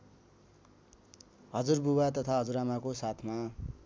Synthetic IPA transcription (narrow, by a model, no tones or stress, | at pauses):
hʌd͡zurbuwat̪ʌt̪ʰaɦʌd͡zuɾamakosat̪ʰma